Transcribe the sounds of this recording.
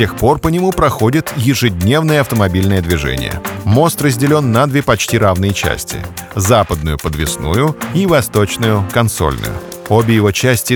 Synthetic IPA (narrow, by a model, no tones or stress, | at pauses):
tʲe̞xpo̞rpənʲɪmupɾɐxo̞dʲɪt̪jɪʐɨdʲnʲe̞vnəjəɐft̪əmɐbʲilʲnɨjəd̪vʲɪʐɛ̰nʲɪ̰jə̰mo̞st̪rəzʲdʲɪlʲo̞nːɐd̪vʲepɐt͡ɕtʲiɾavnɨjət͡ɕæ̰sʲtʲɪ̰ | zapəd̪̚nʊjʊpəd̪vʲɪsnṵjʊivɐst̪o̞t͡ɕnʊjʊkɐnso̞̰lʲnʊ̰jʊ̰ | o̞bʲɪjɪvo̞t͡ɕæsʲtʲɪ